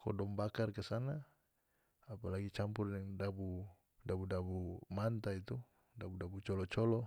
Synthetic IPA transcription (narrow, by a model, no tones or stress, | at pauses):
kɔ̰dɔmbakarkɛsanaː | palaɡit͡ʃampurnɛŋdabu | dabudabumant̪ait̪u | dabudabut͡ʃɔlɔt͡ʃɔlɔ